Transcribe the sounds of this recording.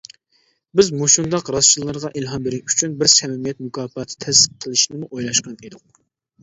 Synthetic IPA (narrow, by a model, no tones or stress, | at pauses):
bɪzmoʃund̪ɑqɾɑst͡ʃilˠːɨɾʁɑʔelɦɑmbɪɾɪy̥t͡ʃʰynbɪɾsɛmɪmijɛt̪̚mukʰɑːpɑt̪ʰɪ̥t̪ʰɛsqʰːəlˠɨʃnɪmuʔojlˠɑʃqɑned̪ʊq̚